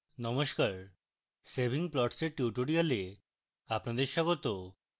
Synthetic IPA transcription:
nɔmoʃkaɾ | sebʱiŋplɔʈseɾʈuʈoɾijale | apnad̪eɾʃɔɡot̪o

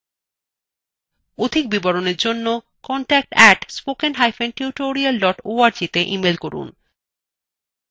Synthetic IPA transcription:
od̪ʱik̚bibɔɾoneɾd͡ʑonːo | kɔɳʈɛk̚ʈɛʈspokenɦajfenʈiuʈoɾialɖɔʈoaɾd͡ʑit̪eʔimelkoɾṵn

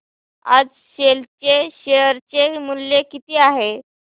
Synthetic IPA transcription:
a̰d͡z | ɕelt͡ɕeɕeəɾt͡ɕemuljekit̪iːaɦe

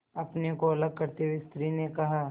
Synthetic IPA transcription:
ɐpnekoɐləɡ̚kɐɾt̪ewest̪ɾinekɐɦaː

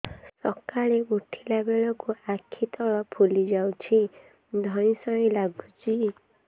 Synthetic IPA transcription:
sɔkaɭeuʈʰilabeɭɔkuakʰːit̪ɔɭɔpʰulid͡ʒawt͡ʃʰi | d̪ʱɔjĩsɔĩlaɡut͡ʃʰi

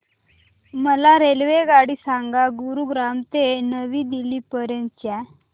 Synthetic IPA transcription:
məlaɾelʋeɡaɽiːsaŋɡaɡuɾuɡɾamt̪enəʋiːd̪iliːpəɾjənt̪̚t͡ɕɛ

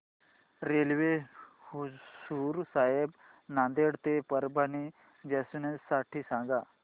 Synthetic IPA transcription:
ɾelʋe | suɾsaɦeb | nand̪eɽt̪epəɾbʱani | d͡ʑɛsunesːaʈʰiːsãŋɡa

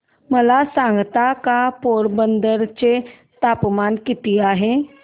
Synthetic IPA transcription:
məlasãŋɡt̪akapoːɽbənd̪əɾt͡ɕe | t̪apmankɪt̪iaɦe

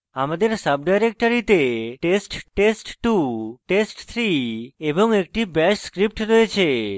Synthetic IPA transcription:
amad̪eɾsəbɖajɾek̚ʈəɾit̪eʈesʈʈesʈʈuʈesʈt̪ʰɾieboŋekʈibɛʃskɾip̚ʈɾɔet͡ɕʰe

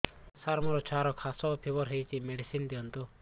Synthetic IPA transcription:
saɾmɔɾɔt͡ʃʰaɾɔkʰasɔpʰebɔɾɦejt͡ʃimeɖisind̪iɔnt̪u

